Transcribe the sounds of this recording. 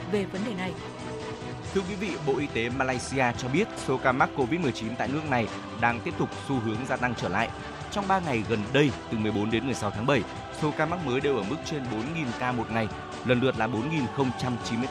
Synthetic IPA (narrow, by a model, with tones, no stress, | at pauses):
ve˨˩və˨˦nɗe˨˩na˨˩j | t̪ʰɨ˧əkwi˨˦vḭ˧˨ɓo̰˧˨ʔi˧t̪e˨˦maː˧laː˧jsi˧ʔaː˧t͡ɕɔ˧ɓi˦˥ət̚so˨˦kaː˧ma˦˥k̚ːo˧vi˦˥t̚m˨˩jt͡ɕi˨˦nt̪a̰ː˧˨jnɨ˦˥ək̚na˨˩j | ɗaː˧ŋt̪i˦˥əp̚t̪ʊ˨˩k͡p̚su˧ɦɨ˨˦əŋzaː˧t̪a˧ŋt͡ɕəː˧˩la̰ː˧˨j | t͡ɕɔ˧wŋ͡mɓaː˧ŋa˨˩jɣə˨˩nɗə˧jt̪ɨ˨˩mɨ˨˩əjɓo˨˦nɗe˨˦nmɨ˨˩əjsa˨˦wt̪ʰaː˨˦ŋɓə˧˩j | so˨˦kaː˧maː˦˥k̚məː˨˦jɗe˨˩wʔəː˧˩mɨ˦˥k̚t͡ɕe˧nɓo˨˦nŋi˨˩nkaː˧mo˨˩t̚ŋa˨˩j | lə˨˩nlɨ˨˩ət̚laː˨˩ɓo˨˦nŋi˨˩nxə˧wŋ͡mt͡ɕa˧mt͡ɕi˨˦mɨ˧